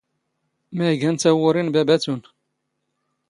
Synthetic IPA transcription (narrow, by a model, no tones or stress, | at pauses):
mæjɡænt̪æwʊɾinbæbæt͡sun